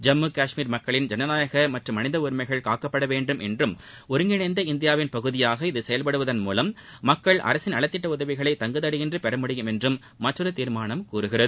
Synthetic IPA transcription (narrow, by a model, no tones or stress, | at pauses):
d͡ʒɐmːɯkaːʂmiːɾmɐkːɐɭɪnd͡ʒɛnɐnaːjɐɣɐmɐʈrɯmːɐnɪðɐʊɾmɐɪɣɐɭkaːkːɐpːɐɽɐʋeːɳɖɯmʔɛ̰ndrɯm | ɔɾɯŋɡɪɳɐɪnd̪ɐɪnd̪ɪjaːʋɪnpɐɣɯðɪjaːɣɐɪðɯsɛjɐlpɐɽɯʋɐðɐnmuːlɐmːɐkːɐɭʔɐ̰ɾɐsɪnɐɭɐt̪ːɪʈːɐʊðɐʋɪɣɐɭɐɪt̪ɐŋɡɐðɐɽɪjɪndrɯpɛɾɐmʊɽɪjɯmɛndrɯmːɐʈrɯɾɯt̪iːɾmaːɳɐmkuːɾɯɣɪrɐðɯ